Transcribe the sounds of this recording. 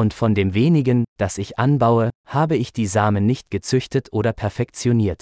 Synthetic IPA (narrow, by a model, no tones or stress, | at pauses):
ʊntfɔndeːmveːnɪɡənd̥asɪçʔanbaʊəhaːbəɪçd̥iːzaːmənːɪçt̚ɡ̥ət͡sʏçtətʰʔoːɾɐpʰɛɐfɛkt͡sjoniːɐt